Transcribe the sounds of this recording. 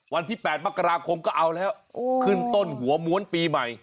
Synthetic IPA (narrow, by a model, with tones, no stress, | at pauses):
wa˧nt̪ʰiː˥˩pɛː˨˩t̪̚ma˥˩kʰːa˧ɾaː˧kʰo˧mkɔː˥˩ʔa˧wlɛː˦˥˩w | kʰɯː˥˩nt̪o˥˩nhu˩˦ɐmu˧˦ənpiː˧ma˨˩j